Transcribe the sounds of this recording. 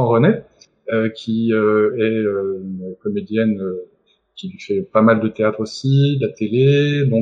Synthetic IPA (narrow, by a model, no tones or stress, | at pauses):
ɑ̃ʁənɛ | økʲʰiøɛøynəkɔmed̪jɛnø | kʲilɥifɛpamald̪ət̪eat̪χosid̪lat̪eled̪ɔ̃